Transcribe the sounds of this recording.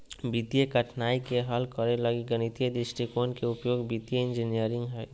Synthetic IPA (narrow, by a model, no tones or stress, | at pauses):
bit̪ijekəʈʰnaːikeɦəlkəɾeləɡiɡənit̪ijed̪ɪsʈɾikonkeʊpjoːɡbit̪ijeɪ̃nd͡ʒinijəɾɪ̃ŋɡɦɛː